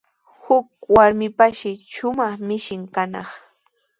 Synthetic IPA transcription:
hʊk̚waɾmɪpaʃɪʃʊmɑχmɪʃɪŋkanɑ̰χ

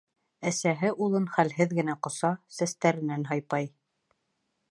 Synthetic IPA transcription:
æsæɦɘʔulˠɤnχælɦɘðɡɘ̆næqŏsɑsæst̪æɾɘ̆nænɦɑjpɑj

